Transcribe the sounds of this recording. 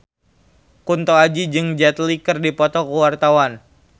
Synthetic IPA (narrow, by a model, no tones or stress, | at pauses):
kunt̪oad͡ʒid͡ʒɨŋd͡ʒat̪likɨrdipɔt̪ɔkuwart̪awan